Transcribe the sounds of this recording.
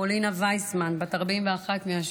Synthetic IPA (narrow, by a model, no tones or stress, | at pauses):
olinavajsmanbataʁbimveaχatmiaʃ